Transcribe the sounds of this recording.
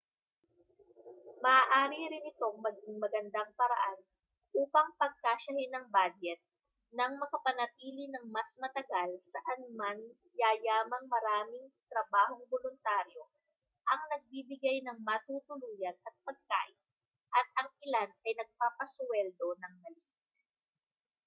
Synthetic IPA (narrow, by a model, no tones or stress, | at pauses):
mɐʔːʔaːɾiɾɪnɪt̪o̞ŋmɐɡɪŋmɐɡɐnd̪aŋpɐɾɐ̰ʔan | ʔuːpɐŋpɐɡ̚kaːʃɐhɪnɐŋbaːd͡ʒɛt̪̚ | nɐŋmɐkɐpɐnɐt̪iːlinɐŋmɐsmɐt̪ɐɡalsɐʔɐnʊman | jaːjaːmɐŋmɐɾaːmɪŋt̪ɾɐbaːɦo̞ŋbolʊnt̪aːɾjo̞ | ʔɐŋnɐɡ̚bibɪɡajnɐŋmɐt̪ut̪ʊluːjɐnɐt̪̚pɐɡ̚ka̰ːʔɪn | ʔɐt̪̚ɐŋɪlanɐjnɐɡ̚paːpɐswɛld̪o̞nɐŋmɐliːs